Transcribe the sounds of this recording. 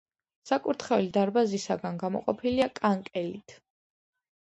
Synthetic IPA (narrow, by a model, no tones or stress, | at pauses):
sakʼuɾt̪ʰχɛulid̪aɾbazisaɡanɡamɔ̰qʼɔ̰pʰiliakʼaŋkʼɛlit̪ʰ